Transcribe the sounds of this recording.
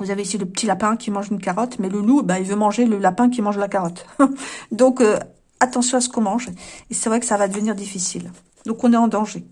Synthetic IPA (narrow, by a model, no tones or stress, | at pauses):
vuzaveisiləpə̥t̪ʰilapɛ̃kʲimɑ̃ʒynkaʁɔt̪mɛlənuebɛ̃ilvømɑ̃ʒeləlapɛ̃kʲimɑ̃ʒlakaʁɔt̪ | d̪ɔ̃kø | at̪ɑ̃sjɔ̃asə̥kɔ̃mɑ̃ʒesɛvʁɛkə̥savad̪əvəniʁd̪ifisil | d̪ɔ̃kɔ̃nɛɑ̃d̪ɑ̃ʒe